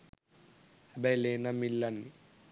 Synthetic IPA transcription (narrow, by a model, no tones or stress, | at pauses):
ɐbelenɐmilːɐnːi